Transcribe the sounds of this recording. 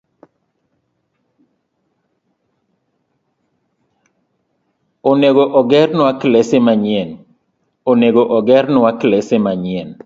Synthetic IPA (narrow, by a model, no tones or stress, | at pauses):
oneɡoʔɔɡɛrnwaklesemaɲɪen | oneɡoʔɔɡɛrnwaklɛsemaɲɪen